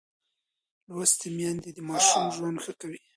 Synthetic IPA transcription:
lwast̪emjɑnd̪ed̪əmɑʃumʒwand̪xəkawi

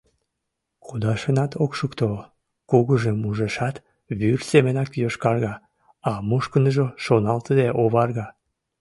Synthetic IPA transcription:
kud̪ɑʃənɑt̪ʰokʃukt̪o | kuɣəʒəmuʒeʃɑt̪ | βyrsemənɑkjoʃkɑrɣɑ | ɑmuʃkənəʒoʃonɑlt̪əd̪eʔoβɑrɣɑ

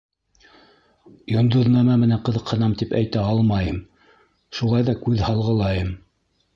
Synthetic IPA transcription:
jŏnd̪ɤ̆ðnɑmɑmɘ̆næɴqɤ̆ðɤ̆qhɤ̆nɑmt̪ipæ̰jt̪æɑlˠmɑjɤm | ʃulˠɑjðɑkʉðhɑlˠʁɤ̆lˠɑjɤm

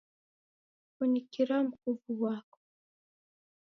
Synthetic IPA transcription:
kunikiɾamukuvuwakɔ̥

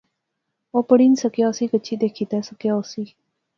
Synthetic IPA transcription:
opəɽinsəkjɑsikət͡ɕʰid̪ekʰit̪asəkjasi

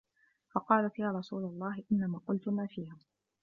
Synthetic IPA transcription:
fɑqɑːlat̪jaːɾˤɑsuːlalˤːɑːhɪʔɪnːamaːqʊlt̪ʊmaːfiːha

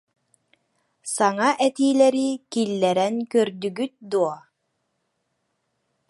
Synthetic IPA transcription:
saŋaʔɛt̪iːlɛɾikilːɛɾɛnkœɾd̪yɡyt̪̚d̪uɔ

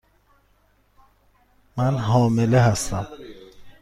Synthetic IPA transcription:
mænɦɒːmeleɦæst̪æm

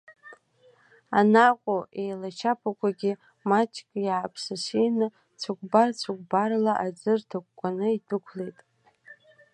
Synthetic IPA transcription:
anaqʷʼoʔejlat͡ʃʰapʰakʷaɡʲi | mat͡ʃʰʼkʲʼjaːpʰsasijnɨ | t͡sʷʰakʷbart͡sʷʰak̚ʷʼbarlaʔad͡zɨrtʰak̚ːʷʼanɨidɨkʷʰlejtʼ

